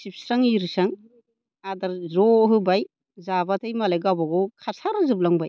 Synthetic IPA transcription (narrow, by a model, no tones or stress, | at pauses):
sip̚saŋiɾɯsaŋ | adaɾzɔɦɯbaj | zabatʰajmalajɡawbaɡɔkʰasaɾɯzɯp̬̚laŋbaj